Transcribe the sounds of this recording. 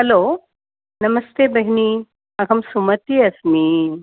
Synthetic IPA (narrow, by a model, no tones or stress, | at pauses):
hɐlo | nɐməst̪ebɐɦni | ɐkɐmsumət̪iːɐsmi